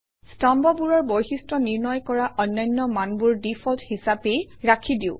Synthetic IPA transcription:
stambɔbuɹɔɹbojxistɹɔniɹnɔjkɔɹaʔɔnːajnːɔmanbuɹdipʰɔlthisapejɹakʰidiʊ̃

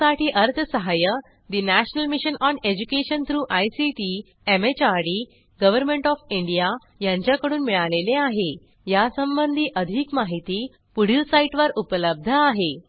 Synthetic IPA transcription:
aʈiːʔəɾt̪ʰəsəɦajə | d̪inæɕənəlmiɕənɔned͡ʑukeɕənt̪ʰɾuːʔajsiʈi | emet͡ɕaɾɽiː | ɡəʋəɾmẽɳʈɔfiɳɖija | jãɲt͡ɕjakəɽuːnmiɭaleleaɦe | jasəmbənd̪ʱiːʔəd̪ʱiːkmaɦit̪iː | puɽ̤isaiʈʋəɾupələb̚d̪ʱəaɦe

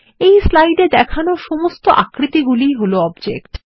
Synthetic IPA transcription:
ejslajɖed̪ɛkʰanoʃɔmost̪oʔa̰kɾit̪iɡulijɦoloɔbd͡ʑḛk̚ʈ

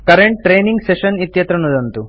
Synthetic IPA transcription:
kɐɾeɳʈ̚ːɾeːniŋɡseʃɐnit̪jɐt̪ɾɐnud̪ɐnt̪u

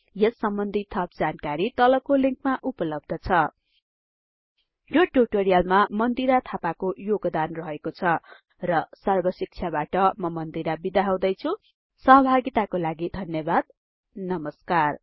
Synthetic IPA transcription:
jʌsːʌmbʌnd̪ʱit̪ʰːʌp̚d͡zankaɾit̪ʌlʌkoliŋk̚maʔupʌlʌb̚d̪ʱʌt͡sʰʌ | joʈuʈoɾijalmamʌnd̪iɾat̪ʰapakojoɡd̪anrʌɦekot͡sʰʌ | rʌsʌrbʱʌsik̚t͡sʰjabaʈʌmʌmʌnd̪iɾabid̪aɦaw̃d̪ʌjt͡sʰu | sʌɦʌbʱaɡit̪akolaɡid̪ʱʌnjʌbad̪̚ | nʌmʌskar

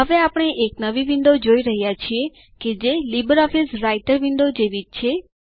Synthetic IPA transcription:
ɦəʋeapəɽ̃eʔeknəʋiʋind̪od͡ʒoiɾəɦjat͡ʃʰie | ked͡ʒelibəɾɔfisɾaiʈəɾʋind̪od͡ʒeʋid͡ʒt͡ʃʰe

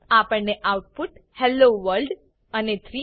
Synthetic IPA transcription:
apəɳːeʔawʈ̚puʈhɛlːoʋəɾlɖ | anet̪ʰɾi

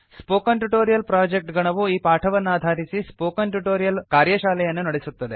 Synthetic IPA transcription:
spoːkɐnʈuʈoːɾijɐlpɾaːd͡ʒek̚ʈɡɐɳɐʋuiːpaːʈʰɐʋɐnːaːd̪ʱaːɾisispoːkɐnʈuʈoːɾijɐlkaːɾjɐʃaːlɛjɐnːunɐɽesut̪ːɐd̪e̞

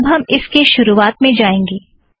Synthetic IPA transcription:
bɦɐmɪskeʃʊɾuaːt̪mẽd͡ʒaːẽːŋɡeː

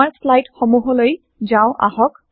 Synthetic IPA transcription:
aɹslajtxɔmuɦɔloj | zãʊ̃ʔa̰ɦɔk̚

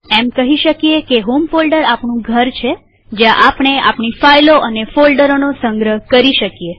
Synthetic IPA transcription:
emkəɦiʃəkijekeɦomfolɖəɾapɳũɡʱəɾt͡ʃʰe | d͡ʒjãʔapɳ̃ea̰pɳifajloʔənefolɖəɾonosəŋɡɾəɦkəɾiʃəkije

